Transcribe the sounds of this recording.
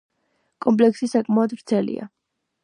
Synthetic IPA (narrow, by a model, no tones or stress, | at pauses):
kʼɔmpʼlɛksisakʼmaɔd̪vɾt̪sʰɛlḭa̰